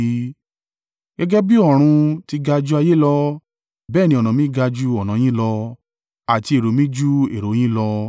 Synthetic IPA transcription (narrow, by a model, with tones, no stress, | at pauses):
ɡ̥ɛ˦ɡɛ˦bi˦ɔ˦˨ɾ̃ũ˧ti˧ɡa˧d͡ʒu˦a˧je˦lɔ˧ | bɛː˦˨nĩ˧˦ɔ˨nã˨mĩ˦ɡa˧d͡ʒu˦ɔ˨nã˨˦j̃ĩ˦lɔ˧ | a˨ti˧e˨ɾo˨˦mĩ˦d͡ʒu˦e˨ɾo˨˦j̃ĩ˦lɔ˧